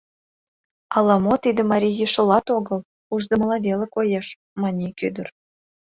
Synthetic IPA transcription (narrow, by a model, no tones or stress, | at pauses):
ɑlɑmot̪id̪ə̆mɑɾʲijəʃŏlɑt̪oɡə̆l | uʒd̪ə̆mə̆lɑvʲelĕkojeʃ | mɑnʲikyd̪ə̆r